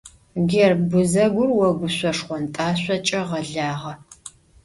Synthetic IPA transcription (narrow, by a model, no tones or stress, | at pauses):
ɡɛrbʊzɐɡʷʊrwɔɡʷʊɕʷɔʂχʷɔntʼaːɕʷɔt͡ʃʼɐʁɐɮaːʁɐ